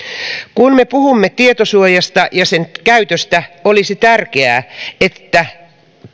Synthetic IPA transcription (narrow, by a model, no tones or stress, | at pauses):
kunmepuhumːet̪iet̪osuojɑst̪ɑjɑsenkæyt̪øst̪æolisit̪ærkeæːet̪ːæ